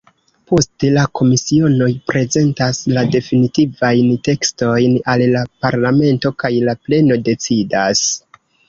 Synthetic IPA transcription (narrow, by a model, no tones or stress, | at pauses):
po̞ste̞lako̞misio̞no̞jpɾe̞ze̞ntaslade̞finitivajnte̞ksto̞jnalːapaɾlame̞nto̞kajlaple̞no̞de̞t͡sidas